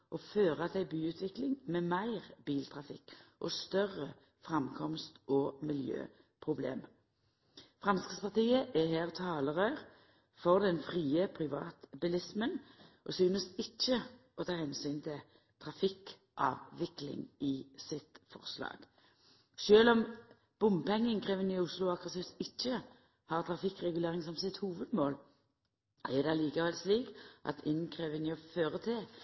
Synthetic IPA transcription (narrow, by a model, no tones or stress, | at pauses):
ʔɔføːʁət̪ʰɛbyːʉːt̪ʰʋɪklɪŋmeːmæɪʁb̥iːlt̪ʰʁɑfɪkːʔɔst̪œʁːə | fʁɑmkʰɔmst̪ɔmɪljø̰ː | pʰʁʊblḛːm | fʁɑnskəspɑʁt̪ʰiːəʔɛɦæːʁt̪ʰɑːləʁœʏʁ | fɔʁd̪ɛnfʁiːəpʰʁɪʋɑ̰ːt̪bɪlɪsmənʔɔsyːnəsɪt͡ʃːəɔt̪ʰɑːhɛnsyːnt̪ʰɪl | t̪ʰʁɑfɪk | ʔɑ̰ːʋːɪklɪ̰ŋɪsɪt̪fɔ̰ʁslɑ̰ːɡ̥ | ʃøːlɔm | b̥ʊmpɛŋːəŋkʰʁeːʋənɪʊslʊɑkəsɪsɪt͡ʃːə | hɑːʁt̪ʰʁɑfɪkːʁɛɡʉleːʁɪŋsɔmsɪt̪huːʋəd̪moːl | ɛd̪ɛliːkəhɛlsliːkʔɑ̰t̪ʰɪnkʰʁeːʋənɪɔføːʁət̪ʰɪ